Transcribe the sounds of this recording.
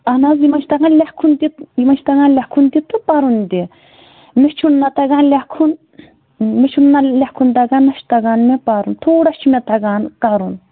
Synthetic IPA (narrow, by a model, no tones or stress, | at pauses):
ɐnazjimɐnt͡ʃʰʲt̪ɐɡaːnlʲahkʰund̪it̪jimɐnt͡ʃʰt̪ɐɡaːnlʲahkʰund̪it̪ʰːupaɾund̪i | mit͡ʃʰunːɐt̪ɐɡanlʲakʰun | mit͡ʃʰunːalʲahkʰund̪ɐɡanːɐʃt̪ɐɡaːnmepaɾunt̪ʰoːɽaʃimet̪ɐɡaːnkaɾun